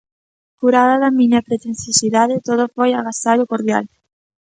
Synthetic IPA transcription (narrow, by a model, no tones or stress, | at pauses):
kuɾaðaðamĩɲapɾet̪ẽn̟θjosiðaðet̪oð̞ofojaɣ̞asaɾokoɾðja̰l